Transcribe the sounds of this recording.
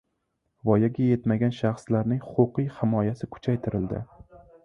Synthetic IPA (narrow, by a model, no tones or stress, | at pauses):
vɒjaɡʲaje̞t̪maɡʲanʃɑχslaɾnɪŋhʊ̥qʊqɨjhɪmɒjasɪkʰʊ̥t͡ʃʰajt̪ʰɪɾɪld̪ɪ̰